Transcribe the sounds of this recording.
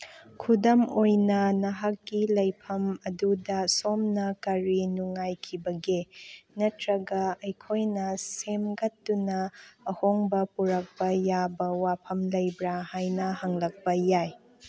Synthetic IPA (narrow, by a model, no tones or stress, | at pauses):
kʰudɐmojnɐnɐɦɐkːilɐjpʰɐmɐdudɐsomnɐkɐɾinuŋːajkʰibɐɡenɐtɾɐɡɐɐjkʰojnɐsemɡɐtːunɐːhoŋbɐpuɾɐk̚bɐjabɐwapʰɐmlɐjbɾahajnɐhɐŋlɐk̚bɐjaj